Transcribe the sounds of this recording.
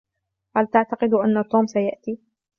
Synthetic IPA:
halt̪aʕt̪aqɨd̪ʔanːat̪uːmsajaʔt̪iː

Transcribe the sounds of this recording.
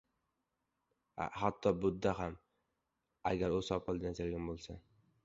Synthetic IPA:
a̰hat̪ʰːɒbʊd̪ːaɦam | a̰ɡʲaɾʊzɒpʰɑlˠd̪and͡ʒaɾɡʲanbolˠsa

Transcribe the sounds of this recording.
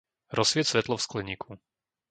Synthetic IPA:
ɾɔsʋɪɛtsʋɛt̪lɔfsklɛɲiːkʰu

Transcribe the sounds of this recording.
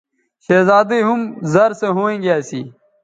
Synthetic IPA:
ɕeːzaːd̪iɦumzɐɾseɦoẽːɡjaːsḭː

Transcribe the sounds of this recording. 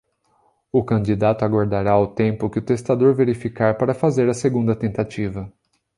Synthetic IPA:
ʊkɐ̃d͡ʒid̪at̪ʊaɡwaɾd̪aɾaʊt̪ẽmpʊkɪʊt̪est̪ad̪oɾveɾifikaɾpaɾɐfazeɾɐseɡũnd̪ɐt̪ẽnt̪at͡ʃivɐ

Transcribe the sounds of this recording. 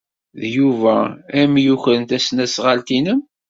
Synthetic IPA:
ðjuvææmjuçɾənt̪æsnæsʁalt̪inəm

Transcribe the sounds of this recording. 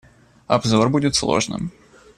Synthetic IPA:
ɐbzorbudʲɪt̪slˠo̞̰ʐnɨ̰m

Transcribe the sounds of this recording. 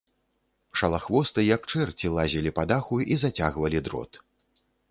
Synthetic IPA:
ʂɐlˠaxvɔst̪ɨjɐkt͡ʂɛrt͡sʲilˠazʲilʲipad̪axuizat͡sʲaɣvɐlʲid̪ɾɔ̰t̪

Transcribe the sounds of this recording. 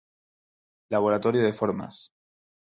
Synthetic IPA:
laβ̞oɾat̪oɾjoðefoɾma̰s

